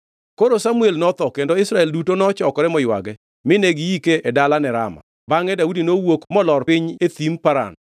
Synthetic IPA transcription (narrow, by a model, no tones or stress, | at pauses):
koɾosamuelnɔt̪ɔkendoɪsɾaɛldutonɔt͡ʃɔkɔɾɛmɔjwa̰ɡɛ | mɪneɡijikeʔedalanɛɾa̰ma̰ | baŋɛdaudinowokmɔlɔrpɪɲet̪impaɾa̰n